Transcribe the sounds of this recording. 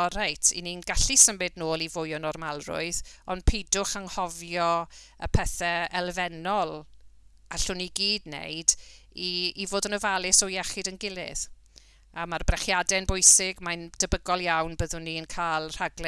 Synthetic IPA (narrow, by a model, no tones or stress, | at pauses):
ɔrajtʰḭninɡaɬisəmɪdnoːlˠivʊjɔnɔrmalˠrʊ̰ɨðɔnd̥pʰedʊχaŋhɔvjɔəpʰɛθɛɛlˠvɛnɔlˠ | aɬʊniɡiːdnḛjd | iːvoːdənəvalˠɪsɔjɛχɪdənɡɪlˠɪ̰ð | amarbrɛχjadɛnbʊjsɪɡmand̥əbəɡɔlˠjawnbəðʊnːiənkʰaːlˠr̥aɡlɛ